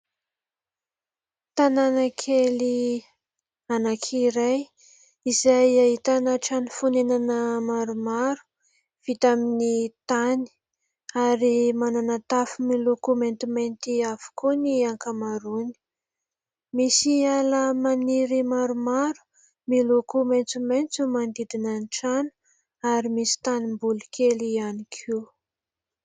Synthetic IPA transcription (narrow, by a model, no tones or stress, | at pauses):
t̪ananakʰeli | anakʰiɾaj | izajaɦit̪anaʈ͡ʂanifunenanəmaɾumaɾu̥ | v̥it̪aminit̪ani̥ | aɾimananat̪afumilukument̪iment̪iav̥u̥kuniaŋkamaɾuni̥ | misialəmaniɾimaɾumaɾu̥ | milukument͡sument͡sumand̪id̪inanʈ͡ʂanu̥ | aɾimisi̥t̪animbulukʰelianikʰu